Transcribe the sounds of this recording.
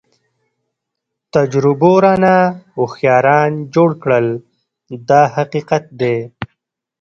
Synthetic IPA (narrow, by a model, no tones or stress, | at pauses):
t̪ad͡ʒɾʊboɾanaoxjɑːɾɑːnd͡ʒoːɽkɽəl | d̪ɑːɦaqiːqat̪̚d̪e